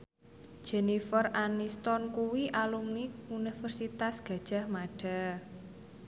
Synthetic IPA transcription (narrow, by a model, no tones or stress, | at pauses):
d̥ʒ̥enifəranist̪ɔnkuwiʔalumniunifərsit̪asɡ̥ä̤d̥ʒ̥a̤hmaɖ̥a̤